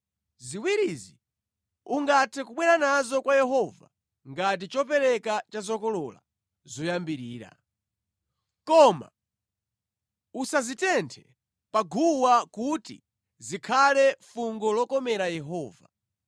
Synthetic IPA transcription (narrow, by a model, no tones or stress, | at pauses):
ziwiɾizi | uŋɡatʰɛkuɓwɛɾanazɔkwajɛɦɔva̰ | ŋɡat̬it͡ʃɔp̬ɛɾɛkat͡ʃazɔkɔlɔla̰ | zɔjambiɾiːɾa̰ | kɔma̰ | usazitɛntʰɛ | paɡʱuwakutḭ | zikʰalɛfuŋɡɔlɔkɔmɛɾajɛɦɔːva